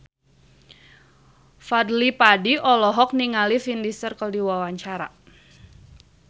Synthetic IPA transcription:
fadlipadiʔɔlɔɦɔk̚niŋalifindisərkəldiwawaɲt͡ʃaɾa

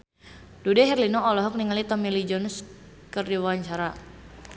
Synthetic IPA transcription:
d̥udɛɦɛrlinɔːlɔɦɔk̚niŋalit̪ɔmilid͡ʒɔns | kərdiwaaɲt͡ʃaɾa

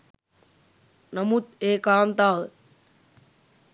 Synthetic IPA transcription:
nɐmut̪eːkaːnt̪aːl

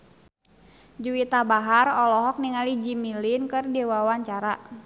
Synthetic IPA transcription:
d͡ʒuit̪abaɦarɔlɔɦɔk̚niŋalid͡ʒimilinkɨrdewawaɲt͡ʃaɾaʔ

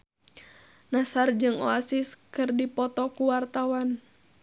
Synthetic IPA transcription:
nasard͡ʒɨŋoasɪskɨrdipɔt̪ɔkuwart̪awan

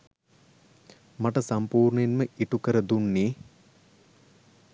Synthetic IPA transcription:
mɐʈəsɐmpuːrɳenməiʈukəɾəd̪unːiː

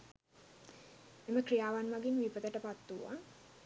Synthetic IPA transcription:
eməkrijaːʋanʋaɡinʋipət̪əʈəpat̪ːuʋa̰

